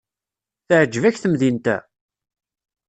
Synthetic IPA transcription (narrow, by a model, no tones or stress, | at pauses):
θəʕd͡ʒːəvæçθəmðint̪æ̰